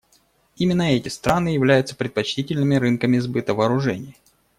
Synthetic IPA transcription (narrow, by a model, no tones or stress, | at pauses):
imʲɪnːəɛtʲɪst̪ɾanɨjɪvlʲæjʊt̪sə̥pɾʲɪt̪̚pɐt͡ɕtʲitʲɪlʲnɨmʲɪɾɨnkəmʲɪzbɨt̪əvɐːɾʊʐɛnʲɪj